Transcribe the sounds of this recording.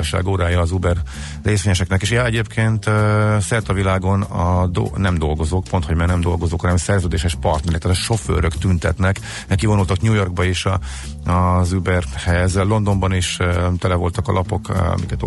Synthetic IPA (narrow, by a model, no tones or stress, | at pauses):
ɒʃa̰ːɡoːɾaːjɒːzubɛrː | eːsʋeːɲɛʃɛknɛkeːʃjɒɛɟeːpkʰeːnt̪øsɛrt̪ɒvilaːɡo̞nɒd̪o̰nɛmd̪o̞lɡo̞zoːk̚po̞nt̪homɛːnɛmd̪o̞lɡozoːkɒnɛmsɛrzøːd̪eːʃɛʃpɒrt̪nɛɾɛkt̪ːt̪ɒʃo̞fø̰ːɾøkt̪ynt̪ɛt̪nɛk | ɛkivoult̪ɒkɲuːjo̞rɡ̚bɒiʃɒ | ɒzubɛrhɛzlo̞nd̪o̞mbɒniʃøt̪ɛlɛvo̞lt̪ɒkɒlʔɒpo̞kɒ̰mikɛt̪